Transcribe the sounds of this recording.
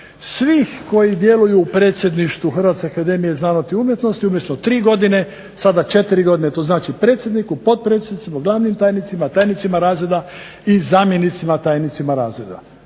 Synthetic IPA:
sʋixko̞jid̪je̞lujuːpɾe̞ːt̪sje̞d̪niʃt̪ʋuxr̩ʋat̪skeakad̪e̞mijeznaːnot̪iumjet̪no̞st̪iumjet̪not̪ɾiːɡo̞d̪ine̞ | sad̪at͡ʃe̞t̪iɾiɡo̞d̪ine̞t̪o̞znaːt͡ʃipɾe̞ːt̪sje̞d̪nikupo̞d̪̚pɾet̪sʲed̪nit̪imaɡlˠaːʋnimt̪aːjnit̪simat̪aːjnit̪simaɾaːzɾe̞d̪a | izaːmjenit̪simat̪aːjnit̪simaɾaːzɾed̪a̰

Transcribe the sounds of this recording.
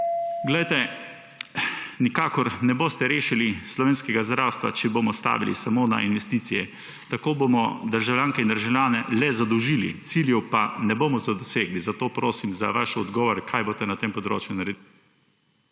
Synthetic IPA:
ɡlɛjt̪ɛ | nikaːkɔɾnɛboːst̪ɛɾeːʃilislɔʋeːnskɛɡazd̪ɾawst̪ʋa̰t͡ʃɛboːmɔst̪a̰ːʋilḭsamona̰inʋɛst̪iːt̪sijɛ | t̪akoːbomɔd̪əɾʒawljaːŋkɛind̪əɾʒawlʲjaːnɛlɛzad̪ɔwʒiːlḭt̪siljɛwpanɛboːmɔzad̪ɔseːɡlizat̪oːpɾoːsimza̰ʋaʃɔd̪ɡɔːʋɔɾkʰaːjboːt̪ɛnat̪empɔd̪ɾo̰ːt͡ʃjunaɾɛd̪i

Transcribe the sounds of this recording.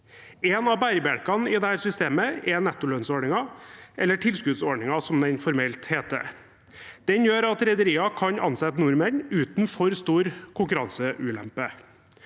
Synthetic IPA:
ɛːnɑbæɪɾbæɽkɑnɪd̪ɛhæːɾsʏst̪eːməɛnɛt̪ːʊløːnsɔɳɪŋɑʔɛlːəʈʰɪlskʉd̪sɔɖɳɪŋɑsɔmd̪ɛnfɔɾmɛlt̪heːt̪ə̰ | d̪̥ɛnjøːɾɑt̪ɾɛd̪əɾiːɑkʰɑɲʔɑ̰nsɛt̪ːnʊɾmənʉːt̪nfɔɾst̪uːɾkʰʊŋkʉɾɑnsəʔʉːlɛ̰mpə

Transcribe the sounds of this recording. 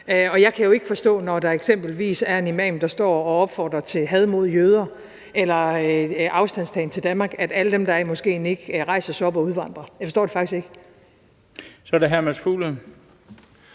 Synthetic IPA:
ɒ̽jɑ̈ɪkʰæjo̝e̝ɡ̥əfɒ̽sd̥ɔ̰̽ːnɒd̥ɑ̈eɡ̥sem̰b̥l̩ʋḭːsæɐnimɛ̰ːmd̥ɑ̈sd̥ɒ̰ːɒ̽ɒ̽b̥fɒ̰ːd̥ʁɐt͡sʰe̝ɦɛð̞ˠmo̝ð̰ˠjøːð̞ˠɐ | elɐʔɑ̈ʊsd̥æn̰sd̥ʰɛɪnt͡sʰe̝ld̥ænmɑ̈ːɡ̥æd̥æləd̥emd̥ɑ̈æɐmɒ̽sɡ̥e̝̰ːneɡ̥ʁɑ̈ɪ̰sɐsɒ̽b̥ɒ̽uðˠʋɑ̈n̰d̥ʁɐjɑɪfɒsɔ̰ːd̥efɑ̈ɡ̥isɡ̥e̝ɡ̥ə | sɒdeɦæɐmæsfṵlə

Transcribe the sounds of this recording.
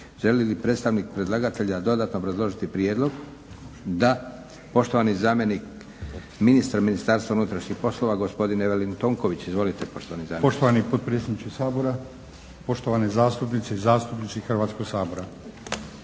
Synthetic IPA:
ʒe̞lilipɾe̞t̪st̪aʋnik̚pɾe̞d̪laɡat̪eʎad̪o̞d̪at̪noobɾazlˠo̞ʒit̪ipɾie̞d̪lˠo̞ɡ | d̪a | po̞ʃt̪oʋanizaːme̞nik | minist̪aɾminist̪aːɾst̪ʋaunut̪ɾaʃɲixpo̞slˠoʋaɡo̞spo̞d̪ineʋelint̪oːŋko̞ʋit͡ɕizʋo̞lit̪epo̞ʃt̪oʋanizaːmpoʃt̪oʋanipod̪̚pɾet̪sed̪nit͡ʃkesaːboɾa | po̞ʃt̪oʋanezaːst̪upnit̪seizaːst̪upnit̪siixr̩ʋaːt̪skoɡsaːboɾa

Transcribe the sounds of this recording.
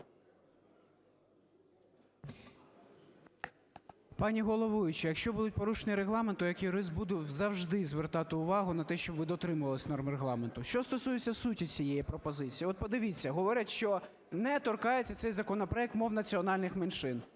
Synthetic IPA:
pɑnʲiɦɔlˠɔʋuʋʲɪt͡ʃɪjɐkʃt͡ʃɔbud̪ʊt̚ʲpɔɾuʃenʲiɾeɦlˠɑment̪ʊjɐkiɾɪzbud̪ʊzɐwʒd̪ɪzʋert̪ɑt̪ɪʊʋɑɦʊnɐt̪ɛʃt͡ʃɔbʋɪd̪ɔt̪ɾɪmʊʋɐlˠɪsʲnɔrmreɦlˠɑment̪ʊʃt͡ʃɔst̪ɔsujet͡sʲːɐsutʲit͡sʲijɛjipɾɔpɔzɪt͡sʲijiɔt̪̚pɔd̪ɪʋʲit͡sʲːɐɦɔʋɔɾʲɐt̪ʃt͡ʃɔ | nɛt̪ɔrkɑjet͡sʲːɐt̪sɛjzɐkɔnɔpɾɔɛk̚t̪mɔwnɐt͡sʲiɔnɑlʲnɪxmenʃɪn

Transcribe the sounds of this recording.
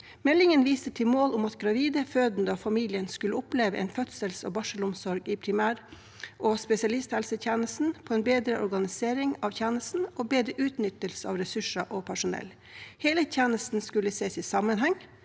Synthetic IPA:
mɛlːɪŋənʋiːst̪ət̪ʰɪlmoːlʊmɑt̪ɡɾɑʋiːd̪əføːd̪nd̪əɔfɑmiːlɪənskʉləʊpleːʋəʔɛ̰ɪnfœt̪səlso̰ːbɑʂəlʊmsɔɾɡiːpʰɾɪmæːɾ | ʔospɛsɪɑlɪst̪hɛlsət̪ʰjænəst̪n̩pʰoːɛnbeːd̪ɾəʔɔ̰ɾɡɑnɪseːɾɪŋɑʋçʰjænəst̪n̩oːbeːd̪ɾəʔʉːt̪nʏt̪əlsəɑ̰ːʋɾɛsʉʂɑʔoːpʰæʂʊnɛ̰l | heːlət̪ʰjæːnəst̪n̩skʉlːəseːsiːsɑmənɦɛŋ

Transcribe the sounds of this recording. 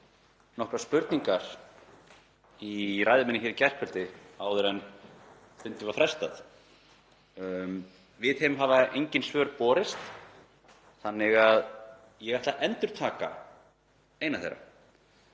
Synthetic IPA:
nɔhkɾaspʏɾt̪niŋkaɾ̥ | iraːjðʏmɪnɪçɪɾicɛr̥pʰœlt̪ɪaːwðʏɾɛn | fʏnt̪ɪvafɾɛst̪aθ | vɪðɪmɦaːvaejɲcɪnsvœːɾpɔːɾɪst̪ | θanːɪɣað | jɛɣɛht̪laʔɛnt̪ʏɾ̥t̪ʰaːka̰ | eːjnaθḛjɾːa̰

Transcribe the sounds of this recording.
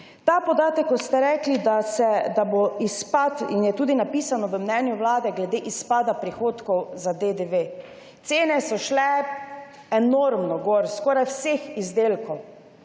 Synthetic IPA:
t̪apɔd̪aːt̪əkːɔt̪st̪ɛɾɛːklid̪asɛd̪aboispat̪injɛt̪uːd̪inapiːsanɔʋəmnɛnjuwlaːd̪ɛɡlɛd̪eʔispaːd̪apɾixoːt̪kɔwzad̪ed̪eʋe | t̪seːnɛsɔʃlɛ | ɛnoɾmnɔɡoɾskɔːɾajwsexizd̪eːlkɔw

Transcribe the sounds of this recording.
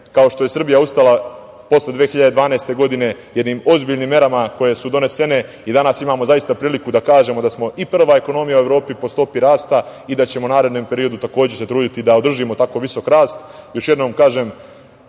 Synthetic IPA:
kao̞ʃt̪o̞je̞sr̩bijaust̪ala | po̞sled̪ʋeːxiʎad̪e̞d̪ʋaːneːst̪e̞ɡo̞d̪ine̞jed̪niːmo̞zbiːʎniːmːje̞ɾamako̞je̞sud̪o̞ne̞se̞ne̞ | id̪anasimaːmo̞zajist̪apɾiːlikud̪akaːʒe̞mo̞d̪asmo̞ʔipr̩ʋae̞ko̞no̞mijaue̞ʋɾo̞ːpipo̞st̪o̞piɾaːst̪aid̪at͡ɕe̞mounaːɾe̞d̪noːmpe̞ɾio̞d̪ut̪ako̞ːd͡ʑese̞t̪ɾuːd̪it̪id̪ao̞d̪r̩ʒimo̞t̪ako̞ʋiso̞kɾaːst̪jo̞ʃje̞d̪no̞ːmkaːʒeːm

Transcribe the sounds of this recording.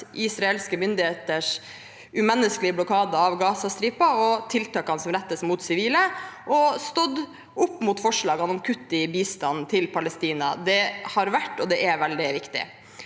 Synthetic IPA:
ʔɪsɾɑɛlskəmʏnd̪ɪheːt̪əʂ | ʉmɛnːəsklɪəblʊkʰɑːd̪əɑʋɡɑːsɑst̪ɾiːpɑɔt̪ʰɪlt̪ɑːkɑnəsɔmɾɛt̪ːəsmuːt̪sɪʋiːləʔɔst̪ɔd̪ | ʔʊpːmuːt̪fɔʂɭɑːɡɑnɔmkʰʉt̪ːɪbiːst̪ɑnn̩t̪ʰɪlpʰɑlɛst̪iːnɑ̰d̪ɛhɑɾʋæʈːɔd̪ɛʔæɾʋɛld̪ɪʋɪkt̪ɪ̰

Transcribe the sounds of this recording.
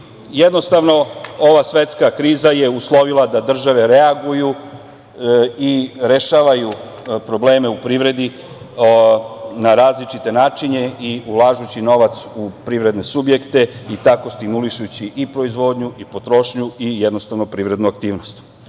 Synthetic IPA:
jed̪no̞st̪aʋno̞o̞ʋasʋe̞t̪skakɾiːzaje̞uslˠo̞ʋilˠad̪ad̪r̩ʒaʋe̞ɾe̞aɡuju | iɾe̞ʃaːʋaju | pɾo̞ble̞ːme̞upɾiʋɾe̞d̪i | naɾaːzlit͡ʃit̪e̞naːt͡ʃiɲe̞iulˠaːʒut͡ɕino̞ʋat̪supɾiʋɾe̞d̪ne̞subje̞kt̪e̞it̪ako̞st̪iɡmuliʃut͡ɕiʔipɾo̞izʋo̞ːd̪ɲuʔipo̞t̪ɾo̞ʃɲuijed̪no̞st̪aʋno̞pɾiʋɾe̞d̪nuak̚t̪iːʋno̞st̪

